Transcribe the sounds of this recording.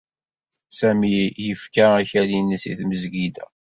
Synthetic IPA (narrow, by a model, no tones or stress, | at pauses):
sæmijəfkaæçælinəsḭθməzɡid̪æ̰